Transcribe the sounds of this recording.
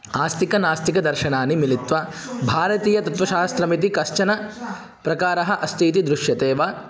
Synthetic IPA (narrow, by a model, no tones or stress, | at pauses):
aːst̪ikɐnaːst̪ikɐd̪ɐɾʃɐnaːnimilit̪ʋɐbʱaːɾɐt̪iːjɐt̪ɐt̪ʋɐʃaːɐst̪ɾɐmit̪̬ikɐʃt͡ʃɐnɐ | pɾɐkaːɾɐɦɐ̆ʔɐst̪ʰiːt̪̬id̪ɾuʃjɐt̪eːʋaː